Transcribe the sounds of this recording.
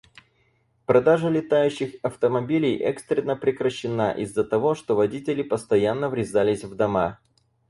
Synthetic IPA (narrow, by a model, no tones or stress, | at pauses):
pɾɐd̪aʐəlʲɪt̪ajʉɕːɪxɐft̪əmɐbʲilʲɪjʔɛ̰kst̪ɾʲɪnːəpɾʲɪkɾəɕːɪnaʔɪ̰zːət̪ɐvo̞ʂt̪o̞vɐdʲitʲɪlʲɪpəst̪ɐjanːəvɾʲɪzalʲɪsʲvd̪ɐma